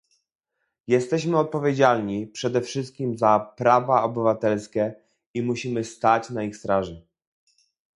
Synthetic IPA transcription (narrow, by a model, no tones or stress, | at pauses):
jɛst̪ɛɕmɘɔt̪̚pɔvʲjed͡ʑalɲipʂɛd̪ɛfʂɘst̪̚kʲimzapɾavaɔbɘvat̪ɛlskʲɛ | imuɕimɘst̪at͡ɕnaixst̪ɾaʐɘ